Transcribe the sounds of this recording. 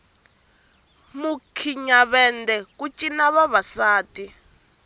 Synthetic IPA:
mukʰiɲaβɛndɛkʼut͡ʃʼinaβaβasaːtʼi

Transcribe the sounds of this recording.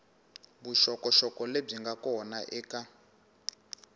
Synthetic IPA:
buʃɔkɔʃɔkɔleb͡ʐiŋɡakɔnaʔɛːka

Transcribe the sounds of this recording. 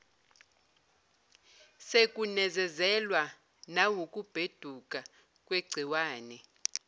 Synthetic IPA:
sekʼunɛzɛzɛlwa | nawukʼub̥ʱed̥ʱukʼa | kʼweɡ͡ǀʱiwaːnɛ

